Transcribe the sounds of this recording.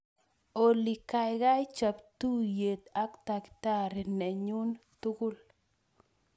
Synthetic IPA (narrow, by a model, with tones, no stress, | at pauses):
o˨li˨ka˨jɣa˦jt͡ʃa˨pt̪u˦je˨t̪a˦kt̪a˨kɪ̥t̪a˦ɾe˨nɛ˨ɲu˦nt̪ʊ˦ɣʊ˦l